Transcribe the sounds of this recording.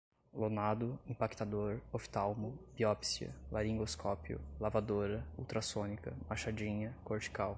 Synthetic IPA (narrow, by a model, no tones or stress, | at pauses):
lonad̪ʊĩpakt̪ad̪oɾofi̥t̪awmʊbiɔpsiɐ̰laɾĩŋɡoskʰɔpjʊ̰lavad̪oɾɐṵwt̪ɾasõnikɐ̰maʃad͡ʒĩɲɐkoɾt͡ʃi̥kaw